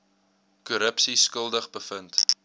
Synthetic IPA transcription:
kuɾəpsiskəlˠdəχbəfənt

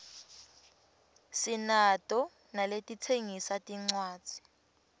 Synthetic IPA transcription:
sinatʼɔ | naletʼitʰeŋisatʼiŋ͡ǀwaːdd͡z̥ʱi̥

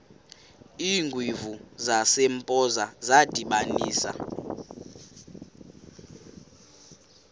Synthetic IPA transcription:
iːŋɡʱwivuzasempʼɔzazad̥ʱiɓaniːsa̰

